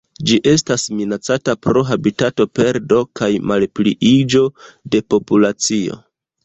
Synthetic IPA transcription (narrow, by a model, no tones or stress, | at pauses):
d͡ʒiʔe̞stasminat͡satapɾo̞ɦabitato̞pe̞ɾdo̞kajmalpliʔid͡ʒo̞de̞po̞pulat͡sio̞̰